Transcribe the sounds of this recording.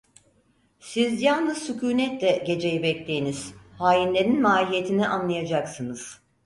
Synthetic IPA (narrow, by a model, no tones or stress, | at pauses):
sizjalˠnɯzsycʰuːnɛt̪lʲɛɟe̞d͡ʒe̞jibɛclʲejiniz̥haːjinlʲe̞ɾinmaːɾʲije̞t̪ʰiniʔanlˠajad͡ʒaksɯnɯz̥